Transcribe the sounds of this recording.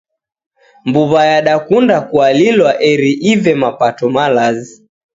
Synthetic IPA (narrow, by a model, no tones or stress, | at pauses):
mbuβajaɗakundakualilwaʔɛɾiʔivɛmapatɔmalazi